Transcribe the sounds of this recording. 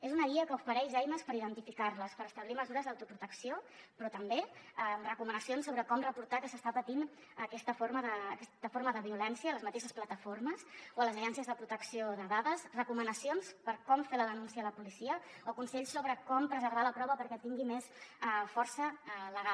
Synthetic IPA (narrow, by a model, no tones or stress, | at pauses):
ezunəɣiəkəufəɾɛʃɛjməspəɾiðənt̪ifikaɾləspəɾəst̪əβliməzuɾəzd̪əwt̪upɾut̪əksiopɾɔt̪əmbeərəkumənəsjonsːoβɾəkɔmrəpuɾt̪akəsəst̪apət̪in | əkɛst̪əfoɾməðəːkɛst̪əfoɾməðəβiulɛnsiəːləzmət̪eʃəsplət̪əfoɾməsoələzəʒɛnsiəzðəpɾut̪əksioðəðaðəsrəkumənəsionspəɾkɔmfeləðənunsiələpulisiə | ɔkunsɛʎsːoβɾəkɔmpɾəzəɾβaləpɾɔβəpəɾkɛt̪iŋɡimesfɔɾsələɣa